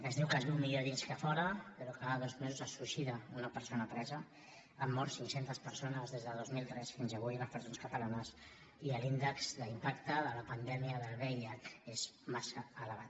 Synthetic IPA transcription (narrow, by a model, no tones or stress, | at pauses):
əzðiwkəzβiwmiʎoðinskəfɔɾəpəɾɔkaəðɔzmezuzəsuʃiðəunəpəɾsonəpɾɛzə | əmːɔɾt̪siŋsent̪əspəɾsonəzðezðəðozmilˠt̪ɾɛsfinzəβ̞ujləspɾsonskət̪əlanəs | iəlind̪əkzðəimpakt̪əðələpənd̪ɛmiəðəlˠβejakezmasəːləβ̞at̪